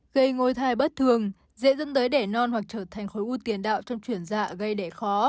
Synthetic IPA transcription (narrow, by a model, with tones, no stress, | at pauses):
ɣə˧jŋo˧jt̪ʰaː˧˩jɓə˦˥t̚t̪ʰɨ˨˩əŋ | zḛ˧˥zə̰˧˥nt̪əː˨˦jɗe˧˩nɔ˧nhwa˨˩k̚t͡ɕəː˧˩t̪ʰa˨˩jŋ̟xo˨˦jʔu˧t̪i˨˦ənɗa̰ː˧˨wt͡ɕɔ˧wŋ͡mt͡ɕwi˧˩ənza̰ː˧˩˨ɣə˧jɗe˧˩xɔ˨˦